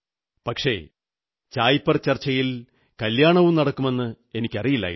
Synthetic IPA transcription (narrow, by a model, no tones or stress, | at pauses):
pɐkʂe̞̰ | t͡ɕaːjpːɐrt͡ɕɐrt͡ɕːɐjil | kɐljaːɳɐʋumnɐɽɐkːume̞nːɨ | e̞nikʲːɐrijilːa̰ːji